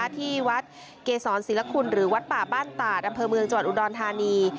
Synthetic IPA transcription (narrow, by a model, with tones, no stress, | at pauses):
t̪ʰiː˥˩wa˦˥t̪̚ | keː˧sɔː˩˦nsi˩˦la˦˥kʰu˧nɾɯː˩˦wa˦˥t̪̚paː˨˩baː˥˩nt̪aː˨˩t̪̚ʔa˧mpʰɤː˧mɯ˧əŋt͡ɕa˧wt̪̚u˨˩dɔː˧nt̪ʰaː˧niː˧